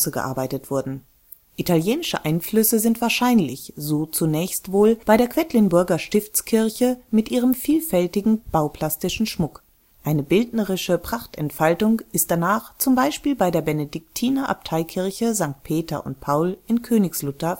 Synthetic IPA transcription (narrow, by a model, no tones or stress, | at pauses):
səɡə̰ʔa̰ɐbaɪtətv̥ʊɐdn̩ | ʔitʰaljeːnɪʃə̰ʔaɪnflʏsəzɪntv̥aːɐʃaɪnlɪçzoːt͡sunɛːçstv̥oːlb̥aɪɾeːɐkv̥ɛtlɪnbʊɐɡɐʃtɪft͡skʰɪɐçəmɪtʔiːʁ̞əmfiːlfɛltɪɡŋ̩b̥aʊpʰl̥astɪʃn̩ʃmʊk | ʔaɪnəbɪltnəʁɪʃəpʁ̥aχtɛntfaltʊŋʔɪstd̥anaːχt͡sʊmbaɪʃpiːlbaɪdeːɐbɛnedɪk̚tʰiːnɐʔa̰p̚tʰaɪkʰɪɐçəzaŋk̚t̚pʰeːtɐ̰ʔʊ̰nt̚pʰaʊlʔɪnkʰøːnɪçslʊtɐ